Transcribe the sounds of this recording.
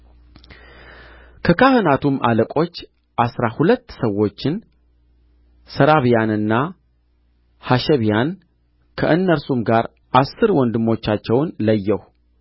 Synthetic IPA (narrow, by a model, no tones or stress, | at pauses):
kʰəkʰahɨnat̪ʰumʔa̰ləkʼo̞t͡ʃː | ʔasɾahulət̪ːsəwːo̞t͡ʃːɪn | səɾaβjanɨnːa | haʃɛβijan | kʰə̰ʔɨnːəɾsumɡaɾ | ʔasːɨɾwɔnd̪ɨmːo̞t͡ʃːat͡ʃːɛwnləjːɛw